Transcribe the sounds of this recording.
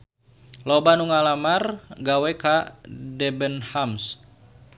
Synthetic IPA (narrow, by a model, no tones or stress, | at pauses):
lobanuŋalamarɡawɛkadɛbənhams